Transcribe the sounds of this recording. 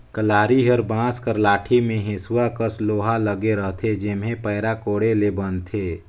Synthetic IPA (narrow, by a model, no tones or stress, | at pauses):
kəlaːɾiɦəɾbãːskəɾlaːʈʰimẽɦesuwakəsloːɦaləɡeɾəɦt̪ʰed͡ʒɪmɦẽpəːɾakoːɽelebənt̪ʰeː